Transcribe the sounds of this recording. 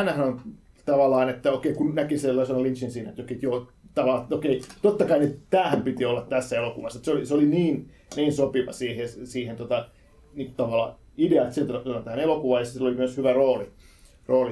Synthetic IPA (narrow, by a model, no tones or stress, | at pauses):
nːæsɑnon | t̪ɑʋɑlːˑɑːnet̪ːæokeikunnækiselːɑsɑnɑlint͡ʃinsiːnæet̪okeit̪joːt̪ɑʋɑlːɑt̪okeit̪ot̪ːɑkɑinett̪æːhæmpit̪iolːɑt̪t̪æsːæelokuʋɑsːɑt̪seoliseoliniːn | niːnsopiʋɑ̰siːhesiːhent̪ot̪ɑ | niːŋkutt̪ɑʋɑlːˑɑ̰ | ideɑet̪sielt̪æt̪ot̪ɑnt̪æːnelokuʋɑjɑssilːolimyøshyʋæroːli | roːli